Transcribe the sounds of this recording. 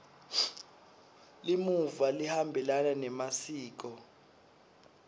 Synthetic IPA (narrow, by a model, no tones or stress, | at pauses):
limuvalihambʱɛlananɛmasiːk̬ɔ